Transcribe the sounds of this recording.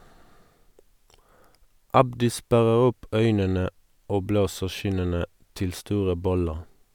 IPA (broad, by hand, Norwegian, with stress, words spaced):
ˈɑbdɪ ˈspæʁəʁ ˈʊp ˈœʏnənə ˈoː ˈbloːsəʁ ˈʃɪnənə ˈtɪl ˈstuːʁə ˈbɔləʁ